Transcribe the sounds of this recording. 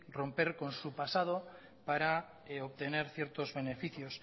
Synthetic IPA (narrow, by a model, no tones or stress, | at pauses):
ro̞mpe̞ɾko̞nsupasað̞o̞ | paɾa | eoβt̪e̞ne̞ɾθjeɾt̪o̞zβe̞ne̞fiθjos